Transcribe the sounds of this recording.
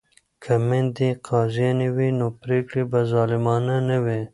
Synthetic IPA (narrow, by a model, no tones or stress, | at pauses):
kʰamend̪iqʰɑːzijɑniwinopɾeːkɽibazɑːlɪmɑːnanɐwe